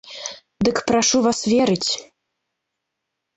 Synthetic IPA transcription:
d̪ɨkpɾaʂuvasvʲɛɾɨt͡sʲ

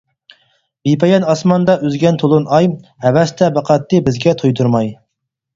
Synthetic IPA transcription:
bipʰɛjɑnɑsmɑnd̪ɑʔøzɡʲɛnt̪ʰolˠunɑjhɛvɛst̪ʰɛbæqʰɑt̪ːɨbɪzɡʲɛt̪ʰujd̪uɾmɑj

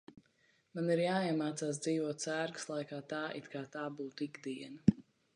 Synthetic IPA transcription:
maniɾjaːiɛmaːt̪saːs̬d̪ziːvuɔt̪sæːɾɡɨ̥slˠajkaːt̪aːʔḭt̪kaːt̪aːbuːt̪uiɡd̪iɛnɐ

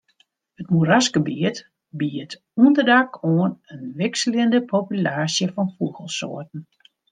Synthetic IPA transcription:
hətmuɾaskəbiət | biət | uəndərdakoənənʋɪksəljəndəpʰopylaːsjəfɔnfuəɣəlˠso̰ətn̩

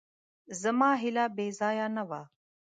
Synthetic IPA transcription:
zəmaːɦɪlaːbeːzaːjaːnɐʋaː

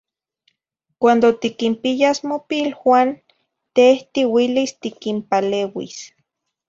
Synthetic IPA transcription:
kʷand̪ot̪ikimpijasmopilwaːn | t̪eht̪iwilist̪ikimpaleːwḭs

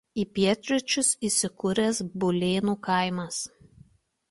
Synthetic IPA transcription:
iːpʲiɛt̪ʲɾʲʊt͡ʃʲʊsisʲɪkʊɾʲɛsbʊlʲeːnuːkɑˑɪmɐs

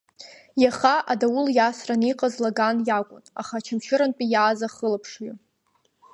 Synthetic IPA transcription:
jaχaʔadawʊljasraniqʼazlaɡanjakʷʼʊna̰χat͡ʃʰamʃʰɪɾanpʼijaːzaχəlapʰʂɥu

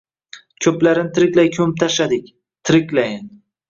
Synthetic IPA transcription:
kʲʰɵplaɾɪnt̪ʰɪɾɪkʲlajkʰɵmɪp̚t̪ʰaʃad̪ɪkʲ | t̪ʰɪɾɪkʲlajn

